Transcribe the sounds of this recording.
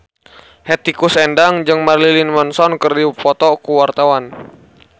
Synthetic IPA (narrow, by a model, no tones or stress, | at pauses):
hɛt̪ikusɛndaŋd͡ʒɨŋmarlilinmɔnsɔnkərdipɔt̪ɔkuwart̪awan